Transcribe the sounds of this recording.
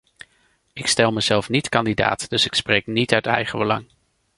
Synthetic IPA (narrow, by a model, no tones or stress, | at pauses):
ɪkstɛlˠməzɛlˠfnitkɑndida̰ːtd̥ɵsɪksprejknitœɥtɛ̰jχəbəlɑ̰ŋ